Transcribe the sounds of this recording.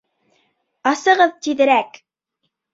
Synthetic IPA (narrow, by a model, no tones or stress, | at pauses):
ɑsɤ̆ʁɤðt̪iðɘ̆ɾæk